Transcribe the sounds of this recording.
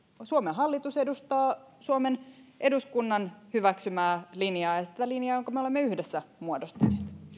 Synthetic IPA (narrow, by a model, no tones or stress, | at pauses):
suomeɦɑlːit̪use̞dust̪ɑːsuome̞nʔe̞duskunːɑnhyʋæksymæːlinjɑːjɑsi̥t̪ælinjɑːjoŋkɑmeo̞lemːeyhdesːæmuodost̪ɑneːt̪